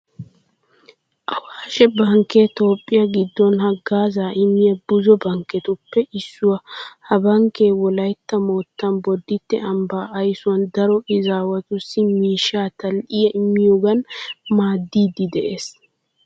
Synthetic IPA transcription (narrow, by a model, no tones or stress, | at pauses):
ʔɐwaːʃɛbɐŋket̪o̞ːpʼːɪjɐɡɪd̪ːɔnhɐɡːaːzaːʔɪmːɪjɐbʊzɔbɐŋkːɛt̪ʊpːɛʔɪsːʊwɐhɐbɐŋkeːwɔlɐjt̪ːɐmoːt̪ːɐnbɔd̪ːɪt̪ːɛ̰ɐmbaːʔɐjsʊwɐnd̪ɐɾɔʔɪzaːwɐt̪ʊsːɪmiːʃaːt̪ʰɐlʔɪjɐʔɪmːɪjoɡɐnmaːd̪ːiːd̪ɪd̪ɛʔeːs